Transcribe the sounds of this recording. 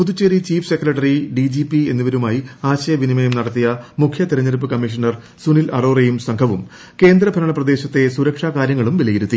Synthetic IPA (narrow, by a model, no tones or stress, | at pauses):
puðut͡ɕːeɾit͡ɕiːfʰsekːrɐʈːɐriɖid͡ʑipie̞̰nːuʋɐɾumaːjiaːɕɐjɐʋinimɐjumnɐɽɐt̪ːijɐmukʰjɐt̪iɾɐɲːɐɾp̬ːɨkɐmːiʂ̬ɐɳɐr | sunilɐɽoːrejumsɐŋkʰɐʋum | ke̞ːnd̪rɐbʱɐɾɐɳɐprɐd̪e̞ːɕɐt̪ːe̞suɾɐkʂaːkaːɾjɐŋːɐɭumʋilɐjiɾut̪ːi